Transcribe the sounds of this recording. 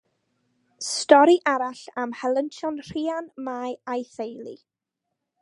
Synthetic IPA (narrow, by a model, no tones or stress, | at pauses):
stɔɾiʔaɾaɬamhɛlˠəntʰɔnr̥iːanmajajθejlˠḭ